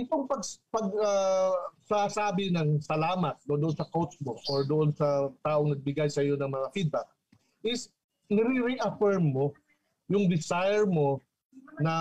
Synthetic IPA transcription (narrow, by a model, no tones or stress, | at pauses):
ɪt̪oŋpɐɡ̚pɐɡ̚asasaːbɪnɐŋsɐlaːmɐt̪̚ːod̪ʔonsɐkowt͡ʃmoʔoɹd̪oʔonsɐt̪aːʔoŋnɐɡ̚bɪɡajsɐjo̞nɐŋmɐŋafid̪̚bak̚ | ʔɪs | nɪɾɪɾɛʔɐfɛɹmːo̞ | jʊŋd̪ɪsajɛɹmo̞ | nɐ